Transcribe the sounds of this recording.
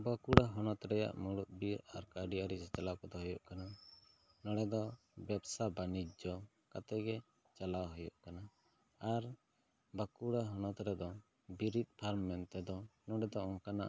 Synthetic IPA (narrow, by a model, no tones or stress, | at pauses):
bakuɽaɦɔnɔt̪ɾɛja̰ʔmuɽuʔ̪̚biɾa̰ɾkaɖiaɾid͡ʒɛt͡ʃalawkɔd̪ɔɦɔjɔʔkana | nɔɽɛd̪ɔ | bɛbsabanid͡ʒd͡ʒɔ | kat̪ɛɡɛ | t͡ʃalawɦɔjɔʔkana | aɾ | bakuɽaɦɔnɔt̪ɾɛd̪ɔ | biɾit̪̚pʰaɾmːɛnt̪ɛd̪ɔnɔɽɛd̪ɔɔ̃kana̰ʔ